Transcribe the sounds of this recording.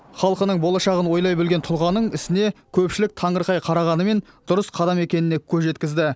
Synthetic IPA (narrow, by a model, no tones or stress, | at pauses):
χɑlˠqənəɴbo̞lˠɑʃɑʁənwo̞jlˠɑjbɵlɡʲe̞nt̪ʰʊlˠʁɑnəɴɪsɪne̞kʲʰɵpʃɪlɪk̚t̪ʰɑɴəɾqɑjqʰɑɾɑʁɑnəme̞n | d̪̥ʊɾəsqʰɑd̪ɑme̞kʲe̞nɪne̞kʲʰɵzʒe̞t̪kʲɪzd̪ɪ